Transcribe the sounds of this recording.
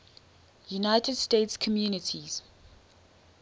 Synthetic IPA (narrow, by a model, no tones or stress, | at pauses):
junajtʰɛdstetskʰɔmjuːnitʰiz̥